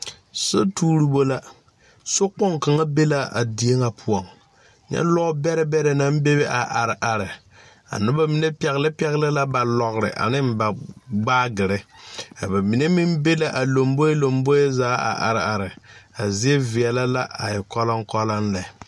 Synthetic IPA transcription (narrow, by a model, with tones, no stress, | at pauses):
so˦tuː˦ɾi˦bo˦la˦ | so˦k͡pɔ˦ŋka˨ŋa˦be˦la˦a̰˨di˨e˦ŋa˨pʰʊ˦ɔ˨ŋ | ɲɛ̰˦lɔ˦bɛ˦ɾɪ˦bɛ˦ɾɛ˨na˨˦m˦be˦βe˦ʔa˨ʔa˨ɾɪ˨ʔa˨ɾɪ˨ | a̰˨nʊ˦ba˦mi˨ne˦pɛ˨ɣlɪ˦pɛ˦ɣlɪ˦la˦ba˨lɔ˨ɡɾɪ̰˨ʔa̰˨nɪ˦m˦ba˨ɡ͡baː˦ɡɪ˨ɾɪ˦ka˨ba˨mi˨ne˦mi˦m˦be˦la˦ʔa˨lo˨mbo˦e˦lo˨mbo˦e˦zaː˨˦a̰˨ʔa̰˨ɾɪ˨a˨ɾɪ˨a˨zi˦e˦vi˨ɛ˨la˦la˦ʔa˨jɪ˨kɔ˦la˦ŋ˦kɔ˦la˦nlɛ˨